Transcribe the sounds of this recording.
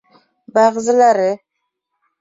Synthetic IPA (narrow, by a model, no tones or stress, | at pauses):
baʁzɪlaɾɪ